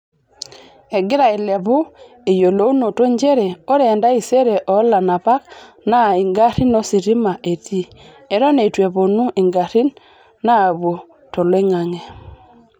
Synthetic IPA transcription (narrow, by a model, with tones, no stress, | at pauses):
ɛ˨ɡɪ˦ɾa˨e˨lɛ˨βo˦ | e˨jo˨lo˦u˦no˨to˦ɲd͡ʒe˦ɾɛ˨o˦ɾɛ˨nda˦i˨se˦ɾɛ˨ʔɔ˨˦la˨na˨pa˦k | na˦i˨ŋɡa˦ɾi˦no˦si˨ɾi˦ma˨ʔe˨ti˦ | ɛ˨ɾɔ˦ne˨i˨twɛ˨βo˨nu˦ʔe˨ŋɡa˨ɾi˦n | naː˦˨βo˨ | to˨lwe˦ŋa˨ŋɛ˨